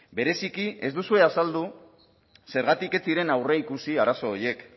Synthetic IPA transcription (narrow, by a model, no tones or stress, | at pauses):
be̞ɾe̞sikie̞zd̪usue̞asald̪u | se̞ɾɣat̪ike̞t͡siɾe̞nawreikusiaɾaso̞ːje̞k